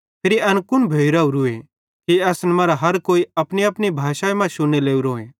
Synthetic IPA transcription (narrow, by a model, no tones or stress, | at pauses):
pʰɪɾiɐnkʊnbʱeːiɾauɾue | kiɐːsnɛmɐːɾaɦɐɾkoːiɐpniɐpnibʱaːʃaemãʃʊnːeleːuɾoːẽː